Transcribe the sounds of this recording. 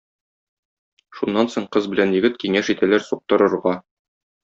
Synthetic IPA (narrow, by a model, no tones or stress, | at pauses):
ʃunːɑnsoɴqɤzbɘ̆lænjɘ̆ɡɘt̪kiŋæʃit̪ælæɾsuq̚t̪ɤ̆ɾɤ̆ɾʁɑ